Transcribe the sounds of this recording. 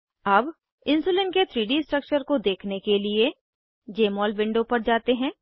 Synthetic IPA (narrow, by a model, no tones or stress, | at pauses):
ɐb | ɪ̃nsuːlɪnket̪ʰɾiːɖisʈɾɐk̚t͡ʃəɾkod̪eːkʰnekelie | d͡ʒeːmɔːlbɪ̃ɳɖopɐɾd͡ʒaːt̪eɦɛ̃ː